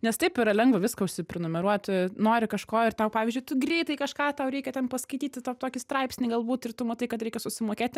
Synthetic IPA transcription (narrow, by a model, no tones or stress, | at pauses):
nʲɛst̪ɐɪpɪɾɐlʲɛŋɡʋɐʋʲɪskɐʊʃʲsʲɪpʲɾʲɛnʊmʲɛɾuɔt̪ʲnoːɾʲɪkɐʃkoːɪrt̪ɛʊpɑːʋʲɪzʲd͡ʒʲʊɪt̪ʊɡrʲɛɪt̪ɐɪkɐʃkɑːt̪ɐʊɾʲɛɪkʲɛtʲɛnpɐskɐɪt̪ʲiːt̪ʲɪt̪ɐʊt̪oːkʲɪst̪rɐɪpʲsʲnʲiɡɐlˠbuːt̪ɪrt̪ʊmɐt̪ɐɪkɐt̪ɾʲɛɪkʲɛsʊsʲɪmoːkʲeːt̪ʲ